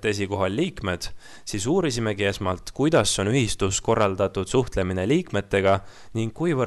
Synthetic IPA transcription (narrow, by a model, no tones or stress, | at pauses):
t̪e̞siko̞ɦɑlːiːkme̞d̪̥ | siːsuːɾisime̞ɡiesmɑlt̪kujd̪̥ɑsːo̞nyɦist̪usko̞rːɑld̪̥ɑt̪ːˑud̪̥suht̪le̞mine̞liːkme̞t̪ːe̞ɡ̥ɑ | niŋɡkːujvɤ